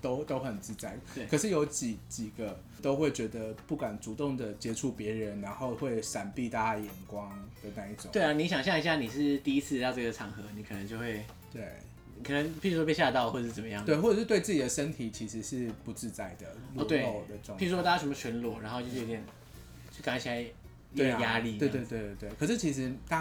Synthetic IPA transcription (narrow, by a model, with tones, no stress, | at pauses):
t̪o˥ʊt̪o˥ʊxə˨˩nt͡sɻ̩˥˧t͡sa˥˩ɪ˩kʰə˨˩ʂɻ̩˥˩jo˧˥ʊt͡ɕi˨˩t͡ɕi˨˩ɡə˦ | t̪o˥ʊxwe˥˩ɪt͡ɕɥɛ˧˥d̪ə˧pu˥˩kwa˨˩nt͡su˨˧˥t̪ʊ˥˩ŋd̪ə˩t͡ɕjɛ˥ʈ͡ʂʰu˧˥pjɛ˧˥ɻə˦nːa˧˥nxo˥˧ʊxwe˥˩ɪʂa˨˩npi˥˧t̪ʰa˥˧jɛ˨˩nkwɑ˥ŋd̪̥ə˨na˥˧i˥˩ʈ͡ʂʊ̰˨˦we˥˩˧ni˧˥ɕjɑ˨˩ŋɕjɑ˥˩ŋi˧˥ɕja˥˩ni˨˩ʂɻ̩˥˧t̪i˥˧i˦˥t͡sʰɹ̩˥˧jɑ˥˧ɤ˥˩ɡə˨˩ʈ͡ʂʰɑ˨˩ŋxɤ˧˦ni˨˧˥kʰɤ˨˩nə˧˦ŋt͡ɕjo˥˧xwe˥˩ɪ | t̪we˥˩ɪ˨ | kʰɤ˨˩nə˧˦ŋpʰi˨˩u˧˥ʂwɔ˥pje˥˧ɕja˥˧t̪ɑ˥˧ʊxwɔ˥˩˧ʂɻ̩˥˩t͡sə˨˩mə˦jɑ˥˨ŋwe˥˧ɪwɔ˥˩ʈ͡ʂə˩ʂɻ̩˥t̪we˥˧ɪt͡sɹ̩˥˩t͡ɕi˨˩ə˩ʂə˥nt̪ʰi˨˩t͡ɕʰi˧˥ʂɻ̩˧˥ʂɻ̩˥˧pu˧˥t͡sɻ̩˥˧t͡sa˥˩ɪd̪ə˩luɔ˧˥˧t̪we˥˩o˥˩ʊd̪ə˩ʈ͡ʂŋʰi˨˩u˥ʂwɔ˥a˥ja˥˩ʂə˥mə˧t͡ɕʰɛ˧˥nlwɔ˨˩a˧˥nxo˥˧t͡ɕo˥˧˥jɛ˨˩n | t͡ɕʰy˥˩ka˨˩ŋ˥t͡ɕʰi˨˩a˧˥ɪ˧ | we˥˩ɪ˩ja˥li˥we˥˧t̪we˥˧t̪we˥˧˥t̪we˥˩kʰɤ˨˩ʂɻ̩˥˩t͡ɕʰi˧˥ʂ̬ɻ̩˧˥t̪a˥